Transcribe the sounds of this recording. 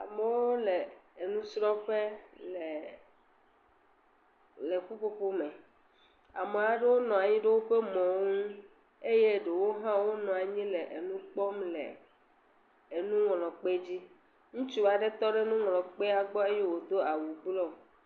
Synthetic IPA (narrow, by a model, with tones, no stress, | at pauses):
a̰˨me˦wo˦le˨e˨nũ˦sɾɔ̃˦ɸe˦le˨ | le˨ku˦ɸo˦ɸo˦mẽ˨ | a̰˨me˨a˨ɖe˦wo˦nɔ̃˨a˨ɲĩ˦ɖe˦wo˦ɸe˦mɔ̃˨ŋũ˦ | e˦je˦ɖe˨wo˦ɦã˦wo˦nɔ̃˨a˨ɲĩ˦le˨ʔe˨nũ˦k͡pɔ˦mlḛ˨ | e˨nũ˦ŋɔ̃˨lɔ̃˨k͡pe˦d͡ʑi˦ | ŋũ˦t͡ʃu˦˨a˨ɖe˦t̪ɔ˦ɖe˦nũ˦ŋɔ̃˨lɔ̃˨k͡pe˦a˨ɡ͡bɔ˦e˦je˦wo˨d̪o˦a˨wu˨ɡ͡blɔ˦˨